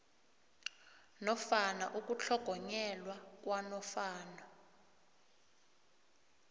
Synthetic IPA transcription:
nɔfanaʔuk̬ʼut͡ɬʰɔɡ̥ʱɔɲɛlwak̬ʼwanɔfaːnɔ

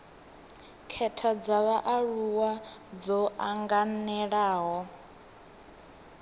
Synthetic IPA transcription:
kʰɛtʰad͡zaβaʔaɺuwad͡zɔaŋɡanɛɺaːɦɔ

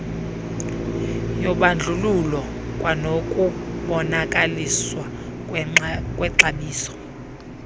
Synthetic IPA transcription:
jɔɓand͡ɮʱululɔkʼwanokʼuɓɔnakʼaliswa | kʼwɛǁaɓiːsɔ̥

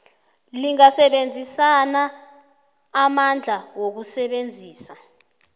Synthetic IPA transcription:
liŋasɛɓend͡zʱisana | mand͡ɮʱawok̬usɛɓend͡zʱiːsa

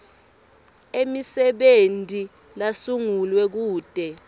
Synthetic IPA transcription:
emisɛɓentʼi | lasuŋulwɛk̬uːd̥ʱʼɛ

